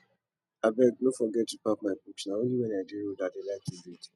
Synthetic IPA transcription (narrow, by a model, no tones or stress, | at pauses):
abɛɡ̚nõfɔɡɛtdipapmãbuksnãwõnĩwɛ̃nĩadeɾodadelatiziti